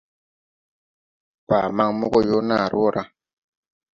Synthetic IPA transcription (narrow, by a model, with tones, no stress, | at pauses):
pa˨ma˦ŋmo˦ɡo˦jo˦na˦˨ɾɔ˦˨ɾʔa˦